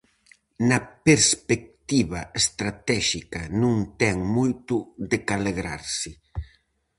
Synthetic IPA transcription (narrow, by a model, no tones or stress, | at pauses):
nɐpeɾspek̚t̪iβɐest̪ɾat̪ɛʃikɐnũŋt̪ɛŋmojt̪ʊðekaleɣɾaɾsɪ